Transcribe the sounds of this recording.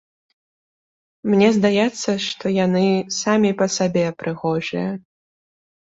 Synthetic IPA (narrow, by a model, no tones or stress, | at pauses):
mnʲɛzd̪ajɛt̪sːɐʂt̪ɔjanɨsamʲipɐsabʲɛpɾʔɨɣɔʐɨjɐ